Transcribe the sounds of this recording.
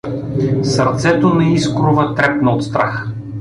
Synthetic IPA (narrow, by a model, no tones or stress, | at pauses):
sɐɾt̪sɛt̪onɛiskɾʊvət̪ɾɛpnɐot̪st̪ɾa̰x